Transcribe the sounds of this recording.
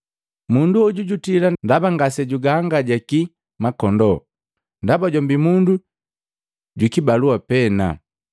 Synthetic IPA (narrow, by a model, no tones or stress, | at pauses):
munduɔɟuɟutilandabaŋɡasɛɟuɡaŋɡaɟaki | makɔndɔ | ndabaɟɔmbimundu | ɟwikibaluapɛna̰